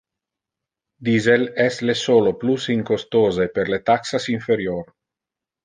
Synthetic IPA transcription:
d̪izelɛslesoːloplusiŋkost̪oːzepeɾlet̪aksasiɱfeɾjoːɾ

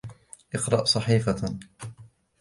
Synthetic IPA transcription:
ʔɪqɾˤɑʔsˤɑħiːfa

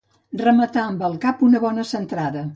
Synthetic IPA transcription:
rəmət̪aəmbəlˠkapunəβɔnəsənt̪ɾaðə

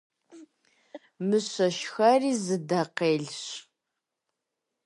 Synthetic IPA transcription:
mɨɕɐʃxɐriːzɨdɐqeːɮɕ

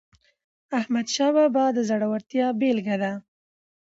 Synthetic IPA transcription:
ahmad̪ʃɑbabɑd̪əzaɽawaɾt̪jɑbelɡad̪a

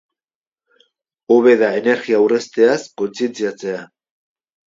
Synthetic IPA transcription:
oβe̞ðaene̞ɾɣiawrest̪e̞asko̞nt͡sient͡siat͡se̞a

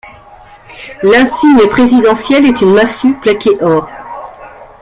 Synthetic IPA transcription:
lɛ̃siɲəpχezid̪ɑ̃sjɛlɛt̪ynmasyplakʲeʔɔʁ

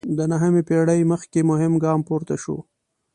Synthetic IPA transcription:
d̪ənaɦəmepeɽəjməxkemʊɦɪmɡɑmpoɾt̪aʃo̰

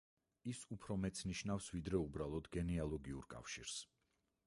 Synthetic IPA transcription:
isupʰɾɔmɛt̪sʰniʃnafsvid̪ɾɛubɾalˠɔd̪ɡɛnɛalˠɔɡiuɾkʼa̰fʃḭɾs

